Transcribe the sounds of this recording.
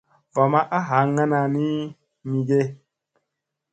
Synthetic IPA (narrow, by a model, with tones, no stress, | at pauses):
va˨ma˦ʔa˦ɦa˨˦ŋa˦na˨ni˦ | mi˨ɡe˦